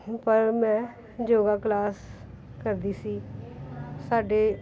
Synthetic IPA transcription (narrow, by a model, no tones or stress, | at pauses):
pəɾmɛ̃ː | d͡ʒoːɡaːklaːs | kəɾd̪iːsiː | saːɖeː